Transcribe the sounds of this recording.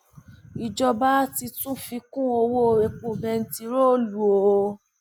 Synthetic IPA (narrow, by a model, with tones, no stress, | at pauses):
i˨d͡ʒɔ˧ba˦ti˧tũ˦fi˧kũ˦o˧wo˦˨ɾe˨˧k͡põ˨bɛ˧n̩˦ti˧ɾo˦˨lu˨o˨˧